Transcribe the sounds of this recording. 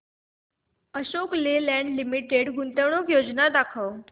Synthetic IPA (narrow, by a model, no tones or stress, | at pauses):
əɕoklelɛ̃ɳɖlimiʈeɽɡunt̪əwɳokjod͡znad̪akʰəw